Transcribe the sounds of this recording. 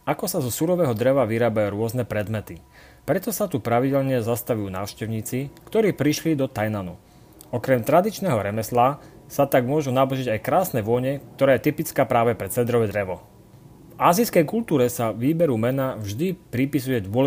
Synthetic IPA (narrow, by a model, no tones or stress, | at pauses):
akɔsazɔsuɾɔʋɛːɦɔd̪ɾɛʋaʋiɾaːbajuːɾʊɔznɛpɾɛd̪mɛt̪i | pɾɛt̪ɔsat̪upɾaʋiɟɛlɲɛzast̪aʋujuːna̰ːʊʃcɛʊɲiːt͡sikt̪ɔɾiːpɾiʃlid̪ɔt̪ajnanu | ɔkɾɛmt̪ɾad̪it͡ʃnɛɦɔɾɛmɛsla | sat̪aɡmʊɔʒunabɔʒiɟajkɾaːsnɛʋɔɲɛk̚t̪ɔɾaːjɛt̪ipit͡skaːpɾaːʋɛpɾɛt͡sɛd̪ɾɔʋɛd̪ɾɛʋɔ | vaːziskɛjkult̪uːɾɛsaʋiːbɛɾumɛnavʒd̪ipɾipis̬ujɛd̪ʊɔl